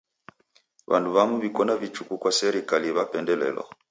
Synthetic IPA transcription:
βa̰nduβamuβikɔnavit͡ʃukukwasɛɾikaliβapɛndɛlɛ̰lɔ̰

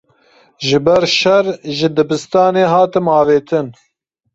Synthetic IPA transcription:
ʒɨbɛɾʃɛrʒɪd̪ɨbɨst̪ɑːneːɦɑːt̪ɨmɑːveːt̪ʰɨn

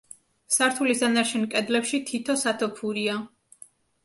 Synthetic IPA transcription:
saɾt̪ʰulisd̪anaɾt͡ʃʰɛnkʼɛd̪lɛpʃit̪ʰit̪ʰɔsat̪ʰɔpʰuɾia

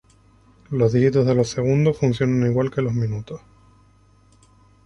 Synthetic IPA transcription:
lo̞zðixit̪o̞zðe̞lo̞se̞ɣ̞und̪osfunsjo̞naniɣwalkelo̞zmĩnut̪os

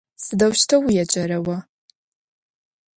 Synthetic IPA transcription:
sɨdɐwʃtʰɐwijɛt͡ʃʼɐɾɐwɐ

